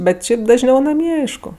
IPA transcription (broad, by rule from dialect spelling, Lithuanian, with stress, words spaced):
ˈbʲɛt ˈʃʲɛɪp dɐʒʲˈnʲɛʊ nɐˈmʲiɛ ˈɐɪʃkʊ